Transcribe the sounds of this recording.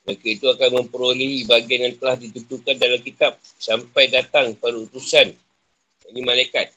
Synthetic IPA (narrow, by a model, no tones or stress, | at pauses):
makait̪uakanmə̃mpəɾoliɦibaɡianjaŋt̪əlahdit̪unt̪ukandalamkit̪ap̚ | sampajdat̪aŋpadaut̪usan | animãlajkat̪̚